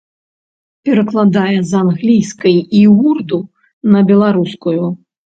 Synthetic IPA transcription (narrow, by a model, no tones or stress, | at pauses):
pʲɛɾɐklˠad̪ajɛzanɣlʲijskɐjiɣurd̪u | nɐbʲɛlˠaɾuskuju